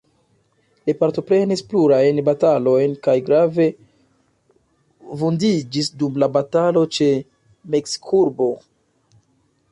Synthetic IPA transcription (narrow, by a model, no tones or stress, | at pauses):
lipaɾto̞pɾe̞nispluɾajnbatalo̞jnkajɡɾave̞ | vundid͡ʒisdumlabatalo̞t͡ʃe̞ | me̞ksi̥kʰuɾbo̞